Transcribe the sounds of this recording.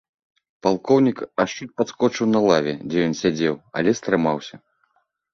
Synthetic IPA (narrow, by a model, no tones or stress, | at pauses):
palˠkɔwnʲikaʂt͡ʂut̪̚ʲpat̪skɔt͡ʂɨwnɐlˠavʲɛ̰d͡zʲɛjɔnsʲad͡zʲɛwa̰lʲɛst̪ɾɨmawsʲɐ